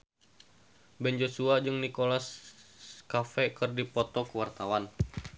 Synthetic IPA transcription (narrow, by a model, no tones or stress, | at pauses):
bɛnd͡ʒosuad͡ʒɨŋnikolas | kafɛkɨrdipɔt̪ɔkəwart̪awan